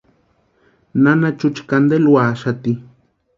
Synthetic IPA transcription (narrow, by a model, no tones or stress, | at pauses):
nanat͡ʃut͡ʃkand̪elwaːʃat̪i